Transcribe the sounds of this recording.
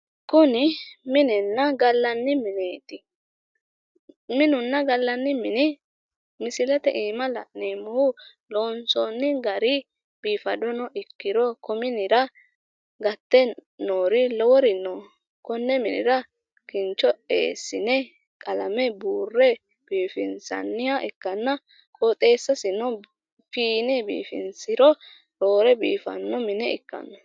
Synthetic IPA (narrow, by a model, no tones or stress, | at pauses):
kʊnɪmɪnɛnːɐɡɐlːɐnːɪmɪneːt̪ɪ | mɪnʊnːɐɡɐlːɐnːɪmɪnɪ | mɪsɪlɛt̪ɛ̰ʔiːmɐlɐ̰neːmʊhʊ | loːnsɔnːɪɡɐɾɪ | b̥iːfɐd̪ɔnɔʔɪkːɪɾɔkɔmɪnɪɾɐ | ɡɐt̪ːɛnoːɾɪlɔwɔɾɪnːɔ | kɔnːɛmɪnɪɾɐ | kɪnt͡ʃːɔḛːsːɪnɛ | kʼɐlɐmɛbuːrːɛ | b̥iːfɪnsɐ̰nːɪjaʔɛkːɐnːɐ | kʼɔt̪ʼe̞ːsːɐsɪnɔ | fiːnɛbḭːfɪ̰nsɪɾɔ | ɾoːɾɛbiːfɐ̰nːɔmɪnɛɪ̰kːɐ̰nːɔ